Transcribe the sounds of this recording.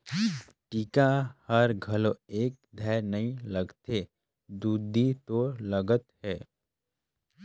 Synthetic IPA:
ʈikahɐɾɡʱɐloeːk̚d̪ʱɛːɾnɐɦĩlɐɡt̪e | d̪uːd̪ʱit̪oləɡət̪ɦɛː

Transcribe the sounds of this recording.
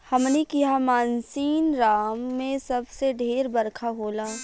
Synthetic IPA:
hɐmnekiɦamaːnsiːnɾaːmːẽsɐbseɖʱeːɾbɐɾkʰaɦoːlaː

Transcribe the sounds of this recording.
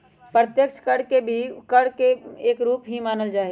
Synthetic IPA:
pɾət̪jəkt͡ʃʰkəɽkebʱikɐɽkeeːkɾuːpɦimaːnəld͡ʒaːɦe

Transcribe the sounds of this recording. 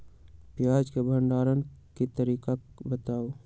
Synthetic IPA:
pjad͡ʒkebʱəɳɖaːɾənkit̪əɾiːka | bət̪aːo

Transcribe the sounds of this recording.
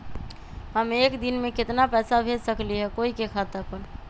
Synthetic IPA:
ɦəmekd̪inmẽkɪt̪napɛːsabʱed͡ʒsəkliɦɛkoikekʰat̪əpən

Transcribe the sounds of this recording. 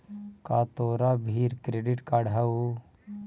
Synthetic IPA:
kat̪oːɾaːbʱiːɾkɾeɖiʈkaɽʱau

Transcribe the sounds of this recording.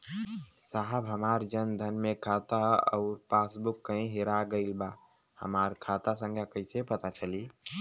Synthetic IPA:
saɦəbɦəmaːɾd͡ʒənd̪ʱənmekʰat̪aɔ̰ʊɾpaːsbʊkːəĩɦeɾaɡəɪlba | hə̰maːɾkʰat̪asə̃ŋɡakəɪsepət̪at͡ʃəli

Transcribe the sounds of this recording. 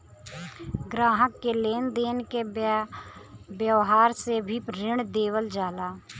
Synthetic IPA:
ɡɾaːɦəkːeleːnd̪eːnke | bjəwɦaːɾsebʱipɾɪɳd̪eːwəld͡ʒaːlaː

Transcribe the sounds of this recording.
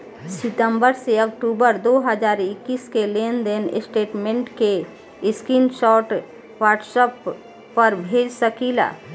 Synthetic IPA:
sɪt̪ə̃mbəɾseək̚ʈubəɾd̪oːɦəd͡ʒaːɾɪkːiːskelend̪enɪ̰sʈeːʈmẽɳʈke | ɪskinʃɔːʈ | ʋaːɾʈsəpː | əɾbʱeːd͡ʒsəkila̰ː

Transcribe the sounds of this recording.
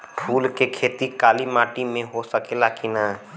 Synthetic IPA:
pʰuːlkekʰeːt̪ikaːlimaːʈimẽɦosəkelakina

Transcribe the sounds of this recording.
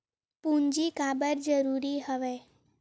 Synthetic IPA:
puɲd͡ʑiːkabəɾd͡zəɾuɾiːɦəʋe

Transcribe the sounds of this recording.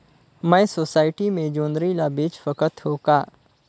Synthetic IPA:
mɛ̃soːsaːɪʈimẽd͡ʒõːnd̪ɾilabeːt͡ʃfəkət̪ɦoːkaː

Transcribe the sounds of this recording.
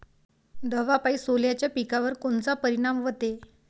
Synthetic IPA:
d̪əʋapaisoljat͡ɕjapikaʋəɾkoɳt͡sapəɾiɽ̃amʋət̪e

